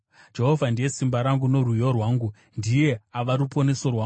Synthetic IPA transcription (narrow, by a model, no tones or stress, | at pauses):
d͡ʒe̞ɦo̞vʱandije̞simbaɾaŋɡuno̞rujo̞rwaːŋɡu | ndije̞aʋaɾupʰo̞ne̞so̞rwaŋ